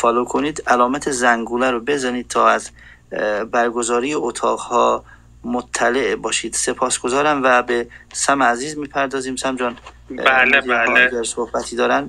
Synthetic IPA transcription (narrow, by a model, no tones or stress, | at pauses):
fɒːlokʰoniːd̪ælɒːmæt̪ʰezæŋɡuːlæɾobe̞zɒniːd̪̥̚t̪ʰɒːæz | bæɾɡo̞zɒːɾiːjeot̪ʰɒːʁhɒː | mot̪ʰːæleʔbɒːʃiːd̪̥se̞pʰɒːsɡ̥o̞zɒːɾæmvæbesæmeæziːzmiːpʰæɾd̪ɒːziːmsæmd͡ʒɒːn | baleeæɾsohbæt̪ʰiːd̪ɒːɾæn